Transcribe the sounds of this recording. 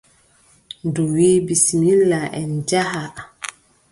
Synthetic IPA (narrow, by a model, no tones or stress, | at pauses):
dɔweːbisinilːaʔɛnd͡ʒaɦa